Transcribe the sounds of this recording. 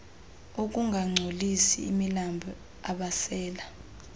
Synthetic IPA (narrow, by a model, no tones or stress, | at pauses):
ok̬ʼuŋɡʱaŋ͡ǀʱolisḭːmilambʱɔ | aɓasɛːla